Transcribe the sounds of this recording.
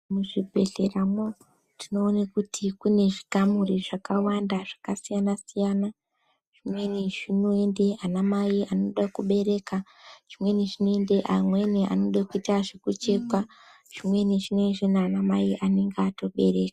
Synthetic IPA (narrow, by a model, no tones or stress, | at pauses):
muʐibʱe̞ɬeramo | tino̞ːnakutʰikune̞ʐikamuriʐakawandaʐakasijanasijana | ʐ̥imwe̞niʐino̞e̞nde̞anamaiano̞ɗakuɓe̞ɾe̞ka | ʐ̥imwe̞niʐinoendeʔamwe̞neʔa̰noɗakuitaʐekut͡ʃe̞kwa | ʐ̥imwe̞niʐimwenʐenaanamaiʔane̞ŋɡato̞ɓe̞ɾe̞ːkḁ